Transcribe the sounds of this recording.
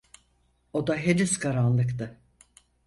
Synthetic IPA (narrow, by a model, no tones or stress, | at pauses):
o̞d̪aɦed̪iskʰaɾanlˠɯkt̪ɯ